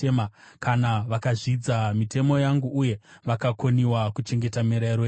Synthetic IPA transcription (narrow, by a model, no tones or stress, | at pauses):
emakanaʋakaʐid͡zamitʰe̞mo̞jaŋɡuʔuje̞ʋakakʰoniwakut͡ʃe̞ŋɡe̞tamiɾaiɾo